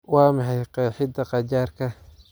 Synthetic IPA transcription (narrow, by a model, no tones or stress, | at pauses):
wɑːmɑħɑjqɑħɪd̪ɐqɑt͡ʃaːrkʰɐ